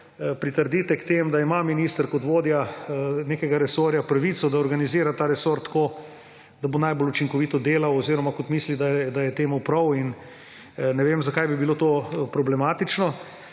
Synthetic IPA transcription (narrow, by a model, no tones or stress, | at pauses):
pɾit̪əɾd̪iːt̪ɛkt̪eːmd̪aimaminist̪əɾkot̪ʋoːd̪janeːkɛɡaɾɛsoːɾjapɾaʋiːt̪sɔd̪aɔɾɡaniziːɾat̪aːɾɛsoːɾt̪koː | d̪abonajbolut͡ʃiŋkɔʋiːt̪ɔd̪eːlawoziːɾɔmakɔt̪miːslid̪aɛd̪ajɛt̪eːmupɾɐwin | nɛʋemzɐkajbibilot̪oːpɾɔblɛmaːt̪it͡ʃnɔ